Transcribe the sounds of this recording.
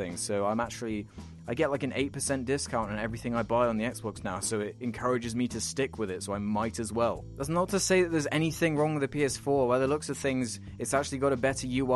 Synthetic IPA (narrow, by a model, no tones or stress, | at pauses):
ɪ̰̃ŋz̥soʊãɪ̃mak̚t͡ʃl̩ˠi | aɪɡɛʔlaɪkɨ̃nḛɪt̚pə˞sɛ̃nd̥ɪskʰãʊ̃ntɨ̃nɛvɹiθɪ̃ŋaɪbaɪə̃nðiɛksb̥ɑksnaʊsoʊɪɾɨ̃nkʰɜɹɨd͡ʒɨzmiɾɨstɪkʰwɨðɪtsoʊãɪmaɪɾɨzwɛlˠd̥ʌzn̩nətʰɨseɪðɨt̪̚ðə˞zɛñiθɪ̃ŋɹɔ̃ŋwɨðɨpiɛsfɔɹwɛðətˡlʊksɨt̪̚θɪ̃ŋz | ɨtsak̚t͡ʃʉl̩ˠiɡɑɾəbɛɾə˞jɨ